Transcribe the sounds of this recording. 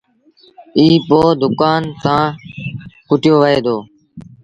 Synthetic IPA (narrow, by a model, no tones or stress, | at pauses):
iːpoːd̪ʊkaːnsãː | kʊʈɪjoːʋəeːd̪oː